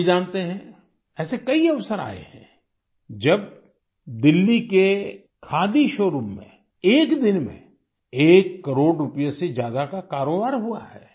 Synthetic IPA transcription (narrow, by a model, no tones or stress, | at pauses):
d͡ʒãːnt̪eɦɛ̃ | ɛːsekɐiɐʋsəɾa̰ːḛhɛ̰̃ | d͡ʒɐb̚ | d̪ɪlːike | kʰaːd̪iʃoːɾumːḛ̃ | eːkd̪ɪnmḛ̃ | eːkːɐɾoːɽɾʊpəjesed͡ʒjaːd̪akakaːɾoːbaːɾɦua̰ɦɛ̰ː